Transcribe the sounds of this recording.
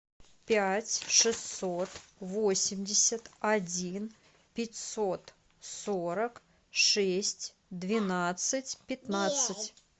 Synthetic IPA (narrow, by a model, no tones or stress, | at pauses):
pʲatʲʂɨssot̪vosʲɪmʲdʲɪsʲət̪ɐd͡zʲin | pʲɪtʲsot̪ | soɾək | ʂɛsʲtʲ | d̪vʲɪnat̪sɨtʲpʲɪt̪nat̪ssɨtʲ